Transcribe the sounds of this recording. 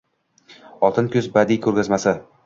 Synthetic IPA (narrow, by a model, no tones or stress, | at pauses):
ɒlˠt̪ʰɪnkʰʲɵzbad̪ikʲʰɵɾɡʲazmasɪ